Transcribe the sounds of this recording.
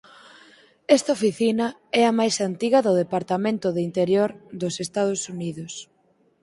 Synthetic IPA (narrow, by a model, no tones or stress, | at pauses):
ɛst̪aofiθinɐ | ɛɐmajsant̪iɣɐðʊðepaɾt̪amẽnt̪ʊðɪint̪eɾjoɾðʊsest̪að̞ʊsuniðʊs